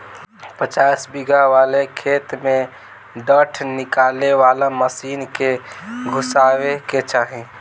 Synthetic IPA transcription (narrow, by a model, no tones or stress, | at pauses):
pət͡ʃaːsbiɡaʋalekʰeːt̪mẽ | ɖəʈʰnɪkaːleʋalaməsiːnkeɡʱʊsaːweket͡ʃaːɦẽ